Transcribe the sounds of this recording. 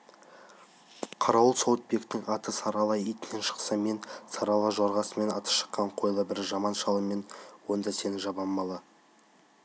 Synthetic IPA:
qʰɑɾɑwəlˠsowət̪̚be̞kt̪ːɪŋɑt̪əsɑɾɑlˠɑjijt̪ɪne̞nʃə̥qsɑme̞nsɑɾɑlˠɑʒɑɾʁɑsəme̞nɑt̪ə̥ʃə̥qːɑɴqʰo̞jlˠəbɪɾʒɑmɑnʃɑlˠəme̞nwo̞nd̪ɑse̞nɪʒɑbɑmːɑlˠɑ

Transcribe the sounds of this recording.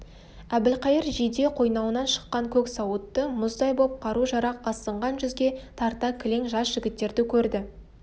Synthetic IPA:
æbɪlqɑjəɾʒijd̪e̞qʰo̞jnɑwənɑnʃə̥qːɑŋkʲʰɵksɑwət̪ːəmʊzd̪ɑjbo̞p̚qʰɑɾuʒɑɾɑqɑsəɴʁɑnʒʏzɡʲe̞t̪ʰɑɾt̪ɑkʲʰɪle̞ŋʒɑsʒ̥ɪɡʲɪt̪ːe̞ɾd̪ɪkʲʰɵɾd̪ɪ

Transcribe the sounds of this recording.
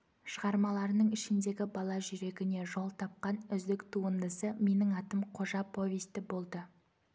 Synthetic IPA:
ʃəʁɑɾmɑlˠɑɾənəɴɪʃɪnd̪e̞ɡʲɪbɑlˠɑʒʏɾe̞ɡʲɪne̞ʒo̞lˠt̪ʰɑp̚qɑnʏzd̪ɪkt̪ʰuənd̪əsəme̞nɪŋɑt̪əmqʰo̞ʒɑpʰo̞vʲist̪ɪbo̞lˠd̪ə

